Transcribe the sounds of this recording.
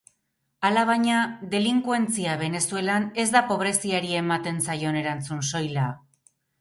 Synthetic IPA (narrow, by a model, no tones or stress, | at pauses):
alaβ̞aɲaðe̞liŋkwe̞nt͡siaβ̞e̞ne̞sue̞lane̞zd̪apo̞β̞ɾe̞siaɾie̞mat̪e̞nsajo̞ne̞ɾant͡sunso̞jla